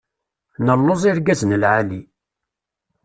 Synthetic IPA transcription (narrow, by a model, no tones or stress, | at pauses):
nəlːozˤiɾɡæznəlʕali